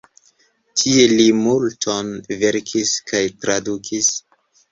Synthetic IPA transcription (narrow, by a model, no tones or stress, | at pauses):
tʰielimultʰo̞nve̞ɾkʰiskajtɾadukʰis